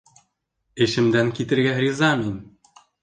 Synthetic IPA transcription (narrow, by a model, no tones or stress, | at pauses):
ĕʃɘ̆md̪ænkit̪ɘ̆ɾɡʲæxrʲizɑminʲ